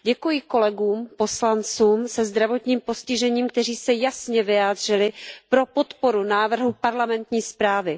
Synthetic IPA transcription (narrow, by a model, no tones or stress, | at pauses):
ɟɛkujɪko̞lɛɡuːmpo̞slant͡suːmsɛzd̪ɾavo̞t̪ɲiːmpo̞scɪʒɛɲiːmk̚t̪ɛr̝iːsɛjasɲɛvɪjaːd̪r̝ɪlɪpɾo̞po̞t̪po̞ɾunaːvr̩ɦupaɾlamɛnt̪ɲiːspɾaːvɪ